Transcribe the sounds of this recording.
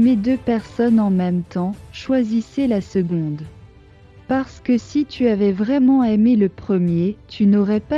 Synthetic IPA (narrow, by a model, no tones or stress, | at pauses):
med̪øpɛʁsɔnɑ̃mɛmt̪ɑ̃ʃwazisɛlasəɡɔ̃d̪ | paʁsə̥kəsit̪ʰyavɛvʁɛmɑ̃ɛmeləpχəmjet̪ʰynɔʁɛpa